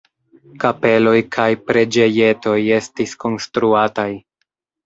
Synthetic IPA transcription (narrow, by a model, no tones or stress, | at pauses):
kape̞lo̞jkʰajpɾe̞d͡ʒe̞je̞to̞je̞stisko̞nstɾuataj